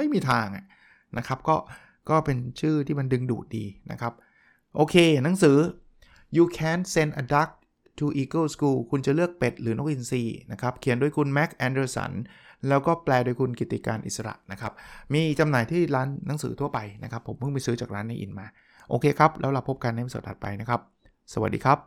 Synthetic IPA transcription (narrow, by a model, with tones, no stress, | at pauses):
ma˥˩jmiː˧t̪ʰaː˧ŋʔa̰˨˩ʔ | nʔa˦˥kʰɾa˦˥p̚kɔː˥˩ | kɔː˥˩pe˧nt͡ɕʰɯː˥˩t̪ʰiː˥˩ma˧ndɯ˧ŋdṵː˨˩t̪̚dḭː˧na̰˦˥kʰɾa˦˥p̚ | ʔoː˧kʰeː˧na˩˦ŋsɯː˩˦ | juː˧kʰɛː˨˥˩nse˧˥ndʔa˧da˦˥k̚ | t̪ʰu˧ʔiː˧kɤː˥˩skuː˧kʰu˧nt͡ɕa˨˩lɯ˥˩ək̚pe˨˩t̪̚ɾɯː˩˦no˦˥k̚ʔi˧nsiː˧na˦˥kʰa˦˥p̚kʰi˨˩˦ndu˧əjkʰu˧nmɛ˦˥k̚ʔɛː˧ndəː˧sa̰˧˩nlɛː˦˥wkɔː˥˩plɛː˧du˧jkʰu˧nki˨˩t̪ːi˨˩kaː˧nʔḭ˨˩sa˧ɾa̰˨˩ʔna˦˥kʰa˦˥p̚miː˧t͡ɕa˧mnaː˨˩˦jt̪ʰiː˥˩ɾaː˦˥nːa˩˦ŋsɯ̰ː˩˦t̪ʰu˥˩ɐpa˧jna˦˥kʰa˦˥pʰːo˩˦mːɯ˥˩miː˧sɯː˦˥t͡ɕaː˨˩k̚ɾaː˦˥nːa˧jʔḭ˧˩nmaː˧ | ʔo̰ː˧kʰeː˧kʰɾa˦˥p̚lɛː˦˥wla˧wpʰo˦˥p̚ka˧nːa˧˦jma˧˩so̰˨˩t̪̚ʔa̰˨˩t̪̚pa˧jna˦˥kʰa˦˥p̚ | sa˧wa̰˨˩diː˧kʰa˦˥p̚